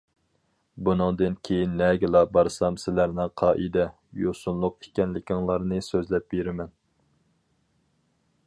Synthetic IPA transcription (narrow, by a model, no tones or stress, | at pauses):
bunɨŋd̪ɨnkʲʰejinːɛɡʲɪlˠɑbɑɾsɑmsɪlæɾnɪŋqʰɑːʔid̪ɛ | josunlˠʊq̚ikʲɛnlɪkʲɪŋlˠɑɾnɨsøzlɛp̚beɾɪmɛn